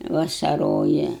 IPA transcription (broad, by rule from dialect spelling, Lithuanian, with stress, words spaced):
ʋɐsɐˈroːjɛ